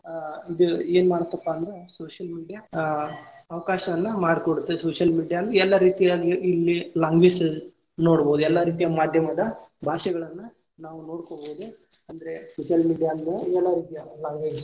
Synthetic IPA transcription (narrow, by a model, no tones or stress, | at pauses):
id̪ue̞ːnmaːɽot̪ːɐpːaːnd̪ɾesoːʃɐlmiːɖija | ɐʋɐkaːʃɐʋɐnːɐmaːɽkoɽut̪ːesoːʂjɐlmiːɽijaːnd̪ɾeɛlːɐɾiːt̪ijaːɡiːlːilaːŋɡʋeːd͡ʒe | no̞ːɽboːd̪uɛlːɐɾiːt̪ijɐmaːd̪ʱjɐmɐd̪ɐbʱaːʃɐɡɐɭɐnːu | naːʋuno̞ːɽkoboːd̪u | ɐnd̪ɐɾe̞soːʃjɐlmiːɽijaːnd̪eɛlːɐɾiːt̪ijalaːŋɡʋeːd͡ʒ